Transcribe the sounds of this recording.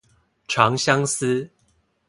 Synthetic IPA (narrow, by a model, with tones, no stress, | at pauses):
ʈ͡ʂʰɑ˨˦ŋɕja˦ŋsɨ˦